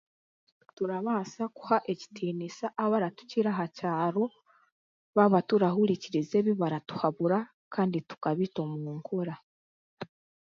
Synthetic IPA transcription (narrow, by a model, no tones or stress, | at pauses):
tuɾaβaːsaku̥haʔe̞ci̥tʰiːnisaʔaβaɾatu̥ciɾaɦacaːɾo̞ | βaβatuɾahuɾiciɾize̞βiβaɾatu̥haβuɾa | kaːnditu̥kaβito̞muːŋkoɾa